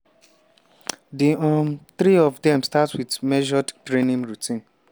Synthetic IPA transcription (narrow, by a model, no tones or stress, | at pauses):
diɔθɾiɔvdɛ̃mstatwidmɛʒɔdtɾenĩmɹutʰĩn